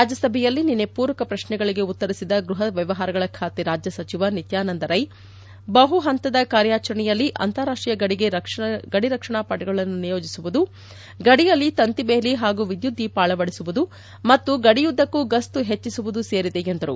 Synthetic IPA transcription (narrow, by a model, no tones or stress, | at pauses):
ɾaːd͡ʒjɐsɐbʱɛjɐlːininepuːɾɐkɐpɾɐʃnɛɡɐɭiɡe̞ut̪ːɐɾisid̪ɐɡɾuɦɐʋjɐʋɐɦaːɾɐɡɐɭɐkʰaːt̪iɾaːd͡ʒjɐsɐt͡ʃiʋɐnit̪jaːnɐnd̪ɐɾɐj | bɐɦuɦɐnt̪ɐd̪ɐkaːɾjaːt͡ʃɐɾɐɳɛjɐlːiʔɐ̰nt̪ɐɾaːʂʈɾijɐɡɐɽiɡe̞ɐʂɡɐɽiɾɐkʂɐɳaːpɐʈɐɡɐɭɐnːunijo̞ːd͡ʒisuʋud̪u | ɡɐɽijɐlːit̪ɐnt̪ibeːliɦaːɡuʋid̪jud̪ʱːipaːɭɐʋɐɽisuʋud̪u | mɐt̪ːuɡɐɽijud̪ːɐkːuɡɐst̪uɦet͡ʃːisuʋud̪use̞ːɾid̪eend̪ɐɾṵ